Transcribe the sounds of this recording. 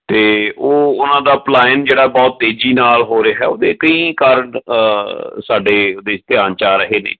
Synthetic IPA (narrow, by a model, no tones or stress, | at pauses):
t̪eːoːʊnãːd̪aːplaːɪnd͡ʒeːɽaːbɔːt̪̚ːeːd͡ʒiːnaːlɦoːɾeaɦɛ̰ːoːd̪eːkəĩːkaːɾəɳ | saːɖeːoːd̪eːst̪ɪjaːnt͡ʃaːɾəɦeːnḛː